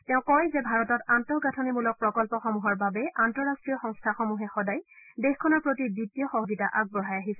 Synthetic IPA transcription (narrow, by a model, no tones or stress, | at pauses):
tɛʊ̃kɔjzɛbʱaɹɔtɔtantɔɡatʰɔnimulɔk̚pɹɔkɔlpɔxɔmuɦɔɹbabɛʔantɔɹastɹijɔxɔŋstʰaxɔmuɦɛxɔdajdexkʰɔnɔɹpɹotibitːijɔxɔɦozitaʔaɡ̚bɔɦajaɦisɛ